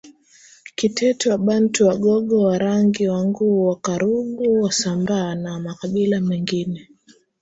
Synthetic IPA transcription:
kitʰɛtɔwaɓantuwaɠɔɠɔwaɾaŋɡiwaŋɡuːwakaɾuɓuwasambaːnamakaɓilamɛŋɡinɛ

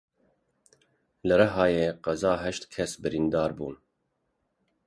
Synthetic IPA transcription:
lɨɾɛɦɑːjeːqɛzɑːɦɛʃt̪kʲʰɛsbɨɾind̪ɑːɾbuːn

